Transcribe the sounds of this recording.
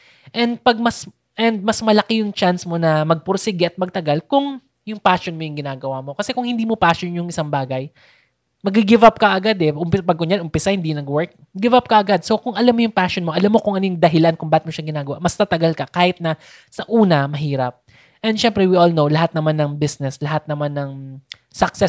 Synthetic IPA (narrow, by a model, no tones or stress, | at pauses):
ʔɛnd̪̚pɐɡ̚mɐs | ʔɛnd̪̚mɐsmɐlɐkɛjʊŋt͡ʃansmo̞nɐmɐɡ̚pʊɾsɪɡɪʔɐt̪̚mɐɡ̚t̪ɐɡalkʊŋ | jʊŋpaːʃonmojʊŋɡɪnaːɡɐwamo̞kɐsɛkʊŋhɪnd̪iːmo̞paːʃonjʊŋʔɪsaŋbaːɡɐj | mɐɡɪɡɪvap̚kɐʔɐɡad̪ɛʔʊmpɪspɐɡ̚kʊnjanʔʊmpɪsahɪnd̪inɐɡwɛɹk̚ | ɡɪvap̚kɐʔɐɡad̪̚so̞kʊŋʔɐlamːojʊŋpaʃonmo̞ʔɐlamːo̞kʊŋʔɐnojʊŋd̪ɐɦɪlankʊŋbaːɪt̪̚moʃɐŋɡɪnaːɡɐwamɐst̪ɐt̪ɐɡalkɐkaːhɪt̪̚nɐ | sɐʔuːnɐmɐɦiːɾɐp̚ | ʔɛnd̪ʃɛmpɾɛwiʔolnowlɐɦat̪̚nɐmanːɐŋbɪsnɛslɐɦat̪̚nɐmanːɐŋ | sɐksɛ